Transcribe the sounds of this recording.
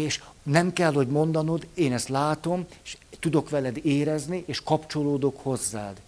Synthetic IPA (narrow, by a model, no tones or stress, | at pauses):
eːʃnɛmkɛlɦho̞ɟmo̞nd̪ɒno̞d̪eːnɛst̪laːt̪o̞meʃt̪ud̪o̞kʋɛlɛd̪eːɾɛzniʔeːʃkɒpt͡ʃo̞loːd̪o̞kho̞zːa̰ːd̪